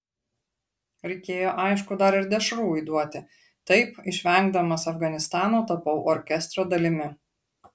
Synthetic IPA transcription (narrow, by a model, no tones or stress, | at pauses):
ɾʲɛɪkʲeːjoːʔɑɪʃkʊd̪ɐɾɪɾd̪ʲɛʃɾuːɪd̪uɔt̪ʲɪ | t̪ɐɪpɪʃʲʋʲɛŋɡd̪ɐmɐsɐfɡɐnʲɪst̪ɑːnoːt̪ɐpɐʊʔɔɾʲkʲɛst̪ɾoːd̪ɐlʲɪmʲɪ